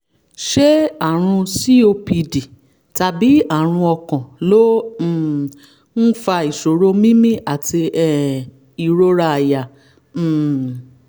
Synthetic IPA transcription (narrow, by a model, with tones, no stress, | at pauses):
ʃɛ˦a˦˨ɾ̃ũ˧si˦o˧pi˧di˨ | ta˨bi˨˦a˦˨ɾ̃ũ˧ɔ˧kɔ̃˨lõ˦˨ | n̩˦fa˧i˨ʃo˨ɾo˦mĩ˦mĩ˦ʔa˨ti˧ɛ˨ | i˨ɾo˧ɾa˧˨a˨jã˨